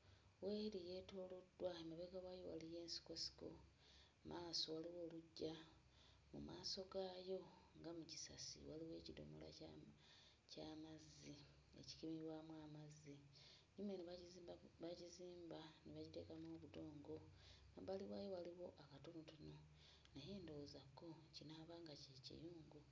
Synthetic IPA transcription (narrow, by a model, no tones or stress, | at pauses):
we̞ːɾije̞ːto̞ːlodwaemaβeɡawajowalije̞ːnsi̥ko̞si̥ko̞̰ | mʔaːso̞waliwo̞ːluɟːa | mṵmaːso̞ɡaːjo̞ | ŋɡamuci̥sa̰sḭwaliwe̞ːcido̰mo̰la̰ | camazːi | e̞̰ci̥kimiβwamwaːmazi | ɲume̞niββaciziːmbaniβacite̞̰kamoːβudo̞ːŋɡo̞ | aβaliwaːjo̞waliwo̞ʔakatonutuno̞ | najeːndozako̞cinaːβaŋɡacecḭjuːŋɡu